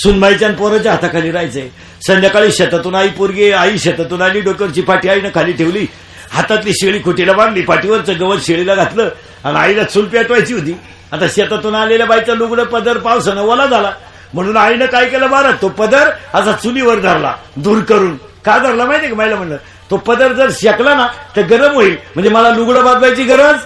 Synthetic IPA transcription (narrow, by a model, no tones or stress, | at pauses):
suːnmajt͡ɕjanpɔɾət͡ɕaɦat̪akʰaliːɾajt͡səje | sənd̪jakaɭiːɕət̪at̪unaipuɾɡeaiːɕət̪at̪unaliːɖɔk̚ʈəɾt͡ɕiːpaʈiːainəkʰaliːʈ̪ʰeʋliː | hat̪at̪liːɕeɭiːkʰuʈʰelabãnd̪liːpaʈiʋəɾt͡səɡəʋəɾɕeɭilaɡʱat̪ləː | anainat͡sulpiaʈʋajt͡ɕiʋəd̪iː | at̪aɕeat̪at̪unaleljabajt͡saluɡɽəpəd̪əɾpawsənəʋolad͡zala | m̤əɽ̃uːnajnəkaikelabaɾat̪t̪opəd̪əɾasat͡suliʋəɾd̪ʱaɾla̰d̪uːɾkəɾuːn | kad̪ʱaɾlamait̪ekmajləm̤əɳlə | t̪opəd̪əɾd͡zəɾɕaklanat̪əɾɡəɾəmoiːlm̤əɳd͡zeməlaluɡɽəbad̪bajt͡ɕiːɡəɾəəd͡z